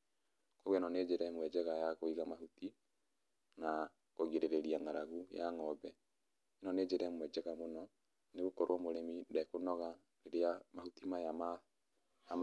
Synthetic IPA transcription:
kowɛnɔned͡ʒeɾɛmwɛd͡ʒɛɣajaɣoiɣamahuti | na | koɣiɾeɾeɾiaŋaɾaɣujaŋɔbɛ | nɔned͡ʒeɾɛmwɛd͡ʒɛɣamonɔ | neɣokɔɾwɔmoɾemidɛkonɔɣa | leɾeamahutimajama | a

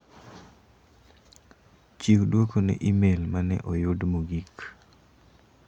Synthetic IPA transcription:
t͡ʃikdwokonɛ̰ʔimelmanɛ̰ʔɔjʊdmoɡik

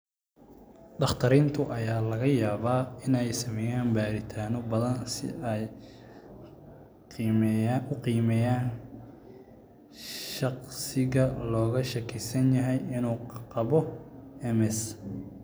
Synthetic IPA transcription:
ɖɑχt̪ʰɐɾiːnt̪ʰʊʔɐjaːlɐɣɐjaːβaːɪnɛjsɐmɛːjaːnbaːɾɪt̪ʰaːnɔbɐðɐnsɪ̰ɛj | ʊqiːmɛjaːn | ʃɑqsɪɣɐlɔːɣɐʃɐkʰɪsɐnjɐɦɛjɪnuːqqɑβɔɛmɛs

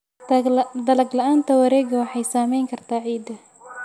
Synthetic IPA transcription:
d̪ɐlɐɡlɐʔaːnt̪ʰɐwɐɾɛːɡɐwɑħɑjsaːmɛjŋkʰɐrt̪ʰaːʕiːd̪ɐ

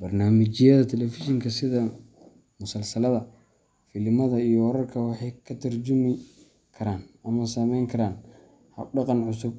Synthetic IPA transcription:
bɐrnaːmɪt͡ʃɪjɐðɐt̪ʰɛlɛfɪʃɪŋkʰɐsɪðɐ | mʊsɐlsɐlɐðɐ | fɪlmɐðɐijɔwɔɾɐrkʰɐwɑħɑjkʰɐt̪ʰɐrt͡ʃʊmɪ | kʰɐɾaːnɐmɐsɐmɛjŋkʰɐɾaːn | hɐɖɑqɑnʕʊsʊb

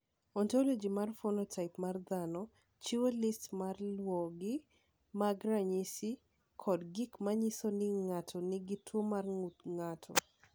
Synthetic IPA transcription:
ɔntɔlod͡ʒimarfonɔtʰaɪpmard̪anɔ | t͡ʃiwolistmarlwɔɡɪ | maɡɾaɲisi | kʰɔdɡɪkmaɲisonɪŋatʰɔnɪɡɪtwomarŋutŋatʰɔ̰

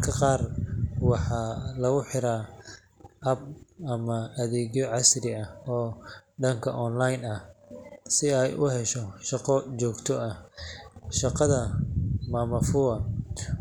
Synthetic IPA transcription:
kʰɐqɑːrwɑħɑːlɐɣʊħɪɾaː | ʔɐb̚ɐmɐɐðɛːɣjɔʕɑsrɪɐɔːɖɐŋkʰɐʔɔːnlajnɐhsɪɛjʔʊhɛʃɔʃɑqɔt͡ʃɔːɡt̪ʰɔɐ | ʃɑqɑðɐmaːmɐfʊɐ

